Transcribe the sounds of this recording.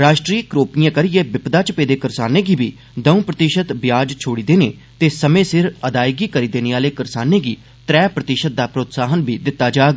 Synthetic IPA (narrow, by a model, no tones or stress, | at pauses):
ɾaːʃʈɾiːkɾoːpijãːkəɾijeːbɪpd̪aːt͡ʃəpeːd̪eːkəɾsaːneːɡiːbiː | d̪əũːpɾət̪iʃət̪bjaːd͡ʒt͡ʃʰoːɽiːd̪eːnḛː | t̪eːsəmẽːsɪɾəd̪aːɪɡiːkəɾiːd̪eːneːaːleːkəɾsaːneːɡiː | t̪ɾɛːpɾət̪ɪʃət̪̚d̪aːpɾoːt̪saːɦənbʱiːd̪ɪt̪ːaːd͡ʒaːɡ